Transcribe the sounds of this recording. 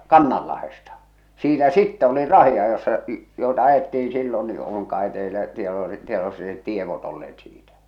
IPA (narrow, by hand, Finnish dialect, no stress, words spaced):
kɑnːɑlːɑhestɑ siːnæ sitːɛ olir rɑhiɑjosːɑ joetɑ ɑjetːiin̞ silːon ni oŋ kɑe teilæ tieto tieʋosːɑ net tieʋot olːeːt siːtæ̥